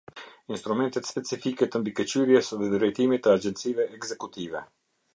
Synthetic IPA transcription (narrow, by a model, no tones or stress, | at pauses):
inst̪ɾumɛnt̪ɛt̪spɛt͡sifikɛt̪əmbikət͡ɕyɾjɛsðɛd̪ɾɛjt̪imit̪əad͡ʒɛnt̪t͡sivɛʔːɡzɛkut̪ivɛ